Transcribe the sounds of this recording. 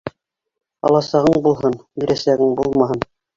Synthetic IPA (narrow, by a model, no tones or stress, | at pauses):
ɑ̰lˠɑsɑʁɤɴbulˠɦɤniɾæsæɡɘŋbulˠmɑɦɤn